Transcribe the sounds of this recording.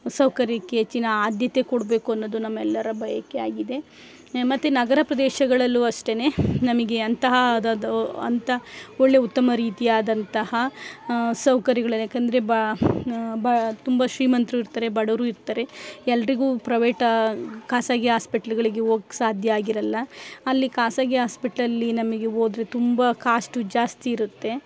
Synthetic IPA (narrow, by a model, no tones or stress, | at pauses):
sɐwkɐɾjɐkeːt͡ʃinɐaːd̪jɐt̪e̞koɽbe̞ːkuɐnːod̪unɐmːɛlːɐɾɐbʱɐjɐkːeaːɡid̪e̞ | mɐt̪ːunɐɡɐɾɐpɾɐd̪eːʃɐɡɐɭɐlːuɐʂʈe̞ne̞ːnɐmɐɡe̞ɐnt̪ɐɦɐd̪ɐɐ̰nt̪ɐoɭːe̞ut̪ːɐmɐɾiːt̪iaːd̪ɐnt̪ɐhɐ | sɐwkɐɾɐɡɐɭɐjaːkɐnd̪ɐɾeb | bɐt̪umbɐʃɾiːmɐnt̪ɾuiɾt̪ɐɾe̞bɐɽɐɾuːiɾt̪ɐɾe̞ɛlːɐɾiɡuːpɾɐʋeːʈɐkaːsaːɡjɦaːspiʈɐlɡɐɭiɡe̞oːɡsaːd̪ʱjɐaːɡiɾɐlːɐːlːikaːsaːɡɐɦaːspiʈɐlɐlːinɐmɐɡe̞oːd̪ɾe̞t̪umbɐkaːsʈud͡ʒaːst̪iːɾut̪ːe̞